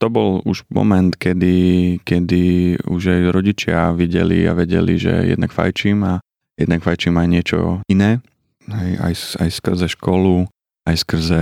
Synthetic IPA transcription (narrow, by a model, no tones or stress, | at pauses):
t̪ɔbɔluʒmɔ̰mɛnt̪kɛd̪ikɛd̪iuʒajɾɔɟit͡ʃɪaʋiɟɛ̰lḭa̰ʋɛɟɛ̰lḭʒɛ̰jɛ̰d̪̚nakfa̰jt͡ʃiːma | jɛd̪nakfajt͡ʃiːmajɲɪɛt͡ʃɔ̰inɛː | ɦɛja̰jsa̰jskr̩zɛʃkɔlu | ajskr̩zɛ